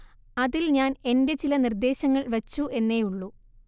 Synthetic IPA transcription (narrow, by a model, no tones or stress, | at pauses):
ɐðilɲaːne̞nde̞t͡ɕilɐnird̪e̞ːɕɐŋːɐɭʋɐt͡ɕːue̞nːe̞ːjuɭːu